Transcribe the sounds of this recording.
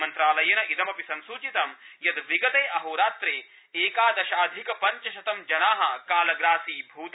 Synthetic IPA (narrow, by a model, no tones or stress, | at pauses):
mɐnt̪ɾaːlɐjɐnɐʔit̪ɐmɐpisɐnsuːt͡ʃit̪ɐmjɐd̪ʋiɡɐt̪eːʔɐɦoːɾaːt̪ɾeː | eːkaːd̪ɐʃaːd̪ʱikɐpɐɲt͡ʃɐʃɐt̪ɐmd͡ʒɐnaːɦɐkaːlɐɡɾaːsiːbʱuːt̪